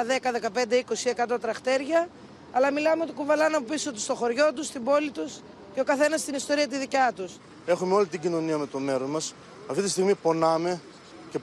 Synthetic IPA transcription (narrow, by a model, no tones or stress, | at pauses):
ðekɐðe̞kɐpe̞nd̪e̞iko̞sie̞kɐt̪o̞t̪ɾɐxt̪e̞ɾʝɐː | lɐmilɐmeot̪okuvɐlɐnɐpopisot̪u̥st̪o̞xo̞ɾʝo̞t̪ust̪ibo̞lit̪us | ceo̞kɐθe̞nɐst̪inist̪o̞ɾiɐt̪̬iðicɐt̪us | e̞xumeo̞lit̪iɟino̞niɐme̞t̪ome̞ɾozmɐs | ɐft̪it̪ist̪iɣmipo̞nɐme̞ | ce̞